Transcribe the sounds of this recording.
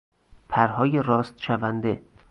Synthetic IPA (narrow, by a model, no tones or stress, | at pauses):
pʰæɾɦɒːjeɾɒːst̪ʃævænd̪e